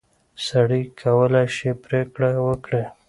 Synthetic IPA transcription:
saɽikʰawəlaʃepɾekɽawəkɽe

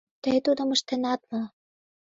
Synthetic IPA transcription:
t̪əjt̪ud̪ŏmə̆ʃt̪ĕnɑt̪mɤ̆

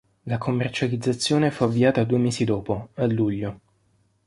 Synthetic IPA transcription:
lakʰomːert͡ʃalid̪zːat̪sːjoːnefuavːiaːt̪ad̪uːemeːsid̪ɔːpoalːuʎːo

